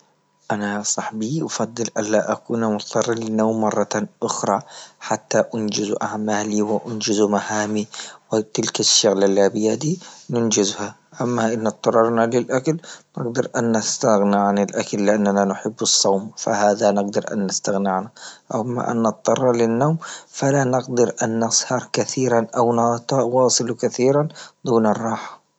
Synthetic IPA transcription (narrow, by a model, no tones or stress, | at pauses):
ʔanasˤɑħbiʔɑfɑd̪ˤːɨlʔalːaʔakuːnamʊt̪ˤːɑrˤːɑlɪnːawmːɑrˤːɑtaʔʊxɾˤɑħat̪ːaʔʊnd͡ʒɪzʔaʕmaːliwɪʔʊnd͡ʒɪzumahaːmiwɪt̪ɪlkaʃːaɣlalːabɪjaːd̪inʊnd͡ʒɪzha | ʔamːaʔɪnːɑt̪ˤːɑɾˤɑɾˤnalɪlʔakalnɪ̰ɡd̪ɑɾʔanːast̪aɣnɪʕanɪlʔakalːɪʔanːananʊħɪbːɨsˤːɑwmfa̰haːðanɪɡd̪ɑɾʔa̰nːɪst̪aɣnɪʕnaʔaamːa̰ʔa̰nːɨt̪̚ˤt̪ˤːɑrˤːɑlɪnːoːmfalanɪɡd̪ɑɾʔanːɑsˤhɑɾˤkaθiːɾanʔawnɑt̪ˤɑʔwɑːsˤɨlukaθiːɾand̪̥uːnɑrˤːɑːħḁ